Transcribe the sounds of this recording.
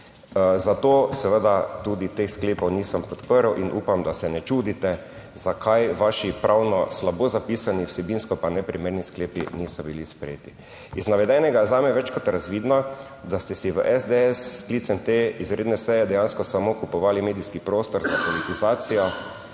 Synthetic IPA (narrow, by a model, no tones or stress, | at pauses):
zat̪osɛʋəd̪at̪uːd̪it̪exskleːpɔwniːsəmpɔt̪pəɾwʔinʔṵːpamd̪asɛnɛt͡ʃuːd̪it̪ɛ | zakʰajʋaʃipɾawnɔslabozapiːsaniwsɛbinskɔpanɛpɾimeːɾniskleːpḭnisɔbilispɾɛ̰jeːt̪i | iznaʋɛd̪ɛnɛɡazaːmɛʋɛt͡ʃkɔt̪ɾazʋiːd̪nɔ | d̪ast̪ɛsiʋəʔɛzd̪eɛsːklit̪sɛnt̪eizɾeːd̪nɛsɛjɛd̪ɛjanskɔsamokupɔʋaːlimeːd̪iskipɾoːst̪ɔɾzapɔlit̪izaːt̪sijɔ